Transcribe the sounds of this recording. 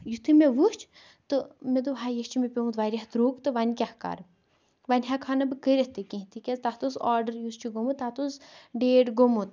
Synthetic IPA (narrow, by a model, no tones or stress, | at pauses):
jut̪ʰɨmeʋust͡ʃʰ | t̪ɨmed̪uʋɦajesʲt͡ʃʰimʲepʲomut̪ʋaɾʲɐɦt̪ɾuːkt̪ɨʋanʲkʲahka̰ɾ | ʋanʲɦakʰanɐbɨkəɾʲeht̪ɨkĩɦit̪ʰikʲɐzt̪at̪osaːɾɖəɾjust͡ʃʰuɡomut̪aːt̪osɖeːɖɡomut̪